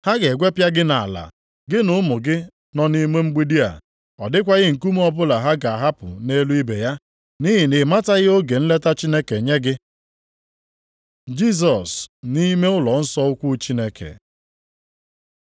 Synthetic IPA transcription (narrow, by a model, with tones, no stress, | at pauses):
ha˦ɡe˨ɡʷe˦pja˦ɡɪ˦na˨la̰˨ | ɡɪ˦nʊ˨ʊ˦mʊ˨ɡɪ˦ | nɔ˦ni˦me˦ŋ͡m̩˦ɡ͡bi˦di˦a̰˨ | ɔ̰˨dɪ˦kʷa˦ɣɪ˦ŋ̩˨ku˦m˦ɔ˦bʊ˦la˨ɦa˦ɡa˨a˨ɦa˦pʊ̰˨ne˦lu˦i˦be˨ja˦ | ni˦ɦɪ˨nɪ˨ma˦ta˦ɣɪ˦o˦ɡe˨n̩˦le˦ta˦t͡ʃi˦ne˦ke˨ɲe˦ɡɪ˦ | d͡ʒi˦s̬ɔ˨sni˦me˦ʊ˦lɔ˨n̩˦sɔ˦ʊ˦kʷu˦t͡ʃi˦ne˦kḛ˨